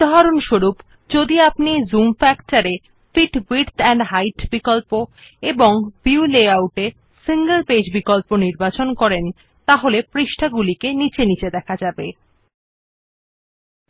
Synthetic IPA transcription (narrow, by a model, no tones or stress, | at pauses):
ɦaɾonʃoɾup | d͡ʑod̪iapnizumfɛktaɾe | fiʈbiɾt̪ɛɳɖɦajʈbikolpo | eboŋbiuleawʈeɾ | siŋɡəlped͡ʑbikolponiɾbat͡ɕonkɔɾen | t̪aɦolepɾiʃʈʰaɡulikenit͡ɕenit͡ɕed̪ɛkʰad͡ʑabe